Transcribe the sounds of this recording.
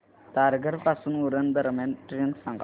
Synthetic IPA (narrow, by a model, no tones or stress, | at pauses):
t̪aɾɡʱəɾpasuːnuɾənd̪əɾmjanʈɾensə̃ŋɡ